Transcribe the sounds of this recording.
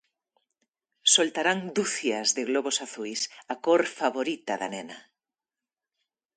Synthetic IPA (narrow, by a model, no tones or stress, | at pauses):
solt̪aɾaŋd̪uθjɐzðeɣloβosaθujsakoɾfaβoɾit̪ɐða̰nɛnɐ